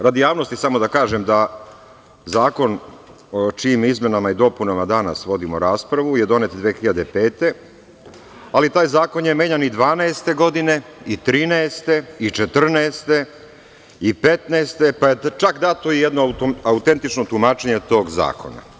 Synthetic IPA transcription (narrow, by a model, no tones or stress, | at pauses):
ɾad̪jaːʋno̞st̪isamo̞d̪akaːʒe̞md̪a | zaːko̞n | ot͡ʃiːmizme̞namaid̪o̞punamad̪anasʋo̞d̪imoɾaːspɾaʋuje̞d̪o̞net̪d̪ʋeːxiʎad̪e̞pe̞ːt̪e̞ | alit̪aːjzaːko̞njeme̞ːɲanid̪ʋaːnɛest̪e̞ɡo̞d̪ine̞it̪ɾiːnɛest̪e̞it͡ʃet̪r̩nɛːst̪e̞ | ipe̞t̪neːst̪e̞pajet͡ʃakd̪at̪oijed̪noaut̪ent̪it͡ʃno̞t̪umaːt͡ʃeɲe̞t̪o̞ːɡza̰ːkʰo̞̰na̰